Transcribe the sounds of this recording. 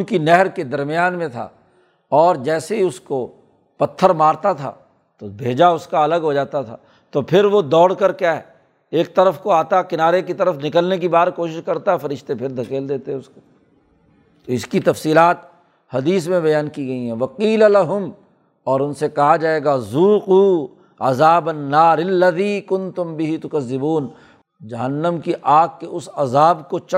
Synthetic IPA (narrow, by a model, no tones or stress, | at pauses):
ʊnkinɛɦəɾked̪ɐɾmɪjaːnmẽt̪ʰa̰ː | ɔːɾd͡ʒɛːseɦiʊsko | pɐt̪ʰːəɾmaːɾt̪at̪ʰa̰ː | t̪obʱeːd͡ʒaʊskaɐləɡɦod͡ʒaːt̪at̪ʰa̰ː | t̪opʰɪɾʋod̪ɔːɽkəɾkjaːɦɛ | eːk̚t̪ɐɾəfkoaːt̪akɪnaːɾekit̪ɐɾəfnɪkəlnek̬ibaːɾkoːʃɪʃkɐɾt̪aɦɛfɐɾɪʃt̪epʰɪɾd̪ʱɐkeːld̪eːt̪eɦɛʊsko̥ | t̪oɪskit̪ɐfsiːlaːt̪ | hɐd̪iːsmẽbɐjaːnkiɡɐiɦɛʋɐqiːlɐlɐɦʊm | ɔːɾʊnsekɐɦad͡ʒaːeːɡazuːquː | ɐ̰zaːbɐnːaːɾɪlːɐðiːkʊ̃nt̪ʊ̃mbɪɦit̪ʊkɐzːɪbuːn | d͡ʒɐɦənːəmkiʔaːɡ̚kːeʊsɐzaːbkot͡ʃɐ